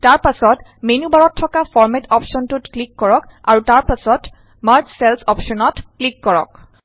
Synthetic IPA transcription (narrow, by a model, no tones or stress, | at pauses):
taɹpasɔt | menubaɹɔtʰːɔkafɔɹmɛtɔpʃɔntʊtklikːɔɹɔka̰ɹutaɹpasɔt | maɹt͡ʃsɛlsɔpʃɔnɔtklikːɔɹɔ̰k